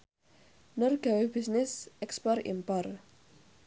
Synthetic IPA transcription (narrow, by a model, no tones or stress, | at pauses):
nʊrɡ̥awebisnɪsɛkspɔrḭmpɔr